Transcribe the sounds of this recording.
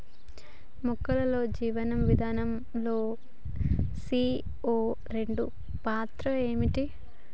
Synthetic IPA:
mukːɐlɐlo̞ːd͡ʒiːʋɐnɐmʋid̪ʱaːnɐm | lo̞ː | siː | oː | ɾe̞ɳɖu | paːt̪ɾɐe̞ːmiʈi

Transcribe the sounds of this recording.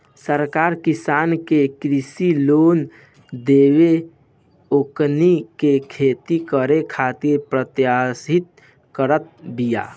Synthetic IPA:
səɾkaːɾkɪsaːnkekɾisiloːn | d̪eːwe | oknikekʰeːt̪ikəɾekʰat̪iɾpɾət̪jasɪt̪̚ | kəɾət̪̚bija̰ː

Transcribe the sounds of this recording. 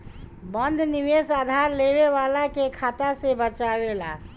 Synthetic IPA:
bənd̪ʱniʋesad̪ʱaɾleβeʋalakekʰat̪asebət͡ʃabela̰

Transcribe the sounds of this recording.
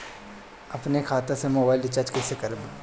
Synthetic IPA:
ɐpnekʰaːt̪ẽsemoːbaːɪlɖɪt͡ʃaːɾd͡ʒkɛːsekɐɾb

